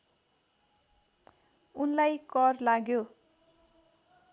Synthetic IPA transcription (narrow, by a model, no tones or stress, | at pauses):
unlajkʌrlaɡjo